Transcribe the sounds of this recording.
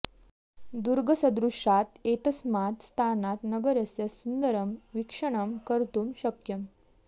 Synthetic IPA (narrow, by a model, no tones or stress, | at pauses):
d̪uɾɡəsəd̪ɾuʂat̪et̪əsmat̪st̪ʰanat̪nəɡəɾəsesund̪əɾəmʋikʂəɳ̃əmkəɾt̪uːmɕəkjəm